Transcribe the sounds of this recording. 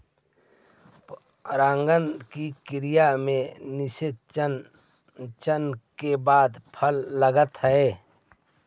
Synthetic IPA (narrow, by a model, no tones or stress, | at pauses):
ɾãːŋɡənd̪kikɪɾɪjamẽnɪsɪt̪̚ | t͡ʃənkebaːd̪pʰəlːəɡət̪ɦəe